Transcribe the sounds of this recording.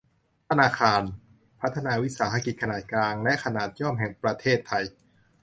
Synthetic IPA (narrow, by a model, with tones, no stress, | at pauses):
t̪ʰa˧naː˧kʰaː˧n | pʰa˦˥t̪ʰːa˧naː˧wi˦˥saː˩˦ɦa˧ki˨˩t̪̚kʰa˧naː˨˩t̪̚klaː˧ŋlɛ˦˥kʰa˧naː˨˩t̪̚jɔ˥˩mɦɛ˨˩ŋpɾa˧t̪ʰeː˥˩t̪ʰːa˧j